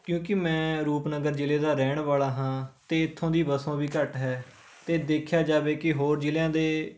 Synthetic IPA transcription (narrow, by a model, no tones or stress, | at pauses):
kjũːkɪmɛ̃ːɾuːpnəɡəɾd͡ʒɪleːd̪aːɾɛːɳʋaːlaːɦãːt̪eːɪt̪ʰːõːd̪iːbəsõːbiːkəʈɦɛː | t̪eːd̪eːkʰjaːd͡ʒaːʋeːkɪɦoːɾd͡ʒɪljãːd̪eː